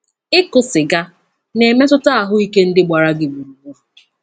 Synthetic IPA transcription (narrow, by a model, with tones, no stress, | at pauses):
ɪ˦kʊ˨sɪ˨ɡa˦ | ne˨me˦tʊ˦ta˦a˨ɦʊ˦i˦ke˦n̩˦dɪ˦ɡ͡ba˨ɾa˦ɡɪ˨ɡ͡bu˨ɾu˨u˦˨